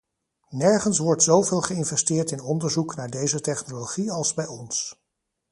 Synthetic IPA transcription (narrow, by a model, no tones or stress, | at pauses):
nɛɹχənsʋɔɹtsowveːlˠχəɪnvɛstɪːɹtɪnɔndəɹzuknaːɹdejzətɛχnoloχiɑlˠzbɛjɔns